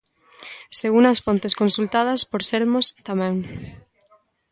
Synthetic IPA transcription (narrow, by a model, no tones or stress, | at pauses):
seɣunɐsfont̪eskonsult̪að̞ɐspoɾseɾmost̪amɛ̃ŋ